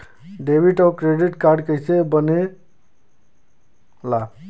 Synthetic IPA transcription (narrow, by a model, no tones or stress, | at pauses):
ɖebiʈʌkɾeɖiʈkaɾɖkəjsebəne | la